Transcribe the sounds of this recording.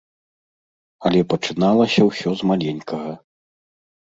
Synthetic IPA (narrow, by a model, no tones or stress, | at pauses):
ɐlʲɛpɐt͡ʂɨnalˠɐsʲɐwsʲɔzmalʲɛnʲkʰɐɣɐ